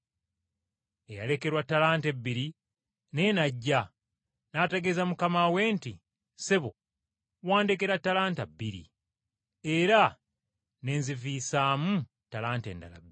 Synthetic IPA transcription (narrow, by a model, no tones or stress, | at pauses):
e̞ja̰le̞ke̞ɾwatːalaːnte̞bːiɾi | ne̞naɟːa | naːteɡezamukamaweːnti | seβo̰ | waːndekeɾatːalaːntabːiɾḭ | eɾa | ne̞ːnziviːsaːmu | talaːnte̞̰ːnda̰la̰bːi